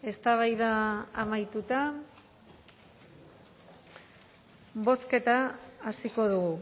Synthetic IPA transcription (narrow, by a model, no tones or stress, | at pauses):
e̞st̪aβ̞ajðaːmajt̪ut̪a | βo̞ske̞t̪aːsiko̞ðuɣu